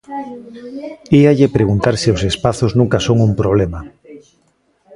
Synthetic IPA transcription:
iaʎepɾeɣunt̪aɾsiosespaθoznũŋkasoŋumpɾoβ̞lema

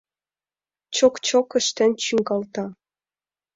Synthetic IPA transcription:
t͡ɕokt͡ɕokə̆ʃt̪ĕnt͡ɕyŋɡɑlt̪ɑ

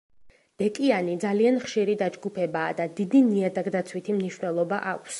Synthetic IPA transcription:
d̪̥ɛkʼianid̪zalianχʃiɾid̪ad͡ʒɡupʰɛbaːd̪ad̪id̪iniad̪aɡd̪at̪sʰwit̪ʰimniʃwnɛlˠɔbaʔakʷʰs

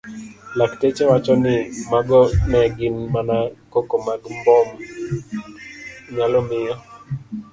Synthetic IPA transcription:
laktet͡ʃɛwat͡ʃɔnɪmaɡɔnɛɡɪnmanakokomaɡmbɔm | ɲalɔmɪjɔ

